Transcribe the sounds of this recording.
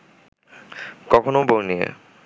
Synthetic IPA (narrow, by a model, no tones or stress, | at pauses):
kɔkʰonobonijḛ